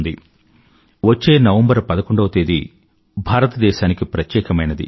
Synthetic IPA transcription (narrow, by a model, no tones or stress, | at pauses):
nd̪i | ʋot͡ʃːe̞ːnɐʋɐmbɐɾpɐd̪ɐkoɳɖɐʋɐt̪eːd̪i | bʱaːɾɐt̪ɐd̪ɛːʃaːnikipɾɐt̪jɛːkɐmɐjnɐd̪ḭ